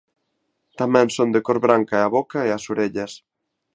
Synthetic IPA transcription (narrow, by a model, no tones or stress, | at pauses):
t̪amɛ̃nsond̪ekoɾβɾaŋkaeaβokɐeɐsoɾeʎɐs